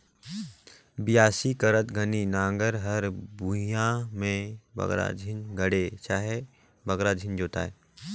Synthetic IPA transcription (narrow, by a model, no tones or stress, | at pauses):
bɪjaːsikəɾət̪ɡʱəninãːŋɡəɾɦəɾbujãmẽbɐ̰ɡɾa̰d͡ʒʱɪnɡʱəɽet͡ʃaːɦe | bɐɡɾad͡ʒʱɪnd͡ʒoːt̪a̰ːɦɛː